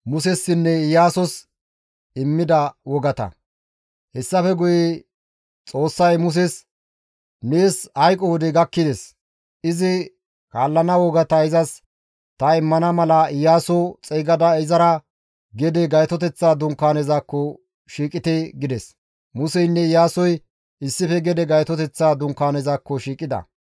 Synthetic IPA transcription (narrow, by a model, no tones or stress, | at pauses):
mʊsɛsːɪnːɛɪjaːsɔs | ɪmːɪd̪ɐwɔɡɐt̪ɐ̰ | hɛsːɐfɛɡʊjɛ | t͡sʼo̞ːsːɐjmʊs̬ɛs | neːshɐjkʼɔwɔd̪ɛɡɐkːɪd̪ɛs | ɪzɪ | kaːlːɐnɐwɔɡɐt̪ɐɪzɐs | t̪ɐɪmːɐnɐmɐlɐɪjaːsɔt͡sʼɛːɡɐd̪ɐɪzɐɾɐ | ɡɛd̪ɛɡɐjt̪ɔt̪ɛt͡sːaːd̪ʊŋkːaːnɛzakːɔ | ʃiːkʼɪt̪eɡɪd̪ɛs | mʊsɛjnːɛɪjaːsɔj | ɪsːɪfɛɡɛd̪ɛɡɐjt̪ɔt̪ɛt͡sːaːd̪ʊŋkaːnɛzakːɔʃiːkʼːɪd̪ɐ̰